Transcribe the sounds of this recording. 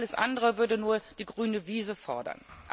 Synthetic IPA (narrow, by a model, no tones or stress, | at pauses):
ləsʔa̰ndəʁəvʏɐdənuːɐd̥iːɡʁyːnəviːzəfɔɐdɐ̰nʔ